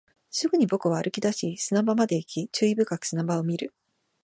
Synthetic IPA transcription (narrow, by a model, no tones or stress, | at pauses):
sɨɡɯ̟ɲ̟ibo̞kɯ̟β̞aːɾʔɯ̟kʲid̪aɕisɨnabamad̪e̞ikʲit͡ɕɨːibɯ̟kakɯ̟̥sɨnabao̞mʲiɾɯ̟